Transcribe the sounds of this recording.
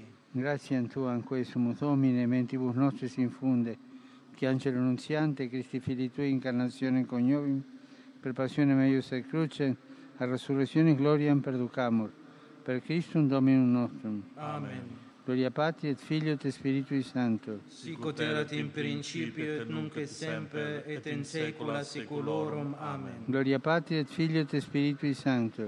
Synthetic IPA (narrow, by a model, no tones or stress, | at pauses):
ɡɾat̪sjant̪uaŋkwesumuðominement̪iβusnɔst̪ɾisiɱfund̪e | kiant͡ʃelununsjant̪ekɾist̪ifilit̪uiŋkaɾnat̪sjoneŋkoɲovim | peɾpasjonemɛjusekɾut͡ʃen | aresuresjoniɡlɔɾjampeɾd̪ukamuɾ | peɾkɾist̪und̪ominunːɔst̪ɾuman | ɡ̥loɾjapat̪ɾiet̪fiʎot̪espiɾit̪uisant̪u | kot̪eɾat̪imɾint͡ʃipjoet̪nuŋkesɛmpeet̪insekulasikuloɾumamenɡloɾjapat̪ɾiet̪fiʎjot̪espiɾit̪uisant̪u